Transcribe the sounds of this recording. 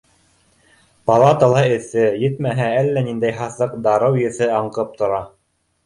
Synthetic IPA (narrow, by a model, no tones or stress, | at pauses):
pɑlˠɑt̪əlˠɑɘ̆θɘjɘ̆t̪mæɦæælːænind̪æjɦɑθɤqd̪ɑɾɤwjɘ̆θɘɑɴqɤp̚t̪ŏɾɑ